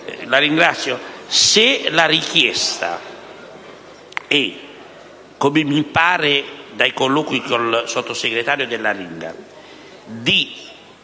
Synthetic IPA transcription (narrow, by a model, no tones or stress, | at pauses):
laɾiŋɡɾat̪sːjoselaɾikjɛst̪a̰ | ɛ | kːomɪmipaːɾɪd̪ajkolːoːkwikolsɔt̪ːoseɡɾet̪aːɾjod̪elːaɾiŋɡa̰ | d̪i